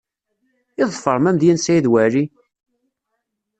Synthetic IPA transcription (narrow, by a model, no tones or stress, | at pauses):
iðˤfəɾˤmæmðjænsæjðwæɾi